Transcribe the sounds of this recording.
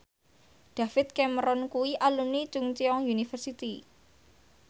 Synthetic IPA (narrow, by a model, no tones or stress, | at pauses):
ɖ̪̥a̤fɪt̪̚kɛməɾɔnkuwiʔalunit͡ʃuŋt͡ʃiɔŋjunifərsit̪i